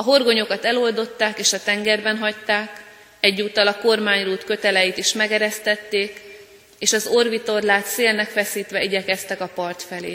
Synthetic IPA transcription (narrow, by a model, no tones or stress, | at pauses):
ɒɦo̞rɡo̞ɲo̞kɒt̪ɛlo̞ld̪o̞t̪ːaːkeːʃɒt̪ɛŋɡɛrbɛnɦɒct̪aːk | ɛɟːuːt̪ːɒlɒko̞rmaːɲruːt̪kø̞t̪ɛlɛjit̪iʃmɛɡɛɾɛst̪ɛt̪ːeːk | eːʃɒzorvit̪o̞rlaːt̪seːlnɛkfɛsiːt̪ʋɛiɟɛkɛst̪ɛkɒpɒrt̪fɛlḛː